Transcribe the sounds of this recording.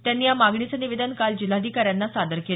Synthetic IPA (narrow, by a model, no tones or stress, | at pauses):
t̪janːiːjamaɡɳit͡səniʋed̪ənkald͡ʑil̤ad̪ʱikaɾjanːasad̪əɾke